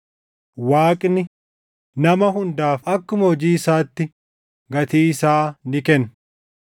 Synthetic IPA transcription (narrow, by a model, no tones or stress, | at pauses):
waːkʼnɪ | nɐmɐɦʊnd̪aːfɐkːʊmɐɔd͡ʒiːɪsaːt̪ːɪ | ɡɐt̪iːɪsaːnɪkɛn